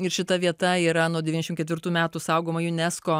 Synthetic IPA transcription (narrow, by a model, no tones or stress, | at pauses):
ɪɾʃʲɪt̪ɐʋʲiɛt̪ɐiːɾɐnuɔd̪ʲɛʋʲinʲɛʃʲmkʲɛt̪ʋʲɪɾt̪uːmʲæːt̪uːsɐʊɡoːmɐjʊnʲɛskoː